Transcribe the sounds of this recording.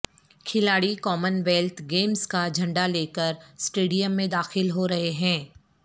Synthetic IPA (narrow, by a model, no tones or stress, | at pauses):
kʰɪlaːɽikɔːmənʋɛlt̪ʰɡeːmskad͡ʒʱɐ̃ɳɖaleːkəɾsʈeːɖijəmːẽd̪aːxɪlɦoɾɐɦeɦɛ̃ː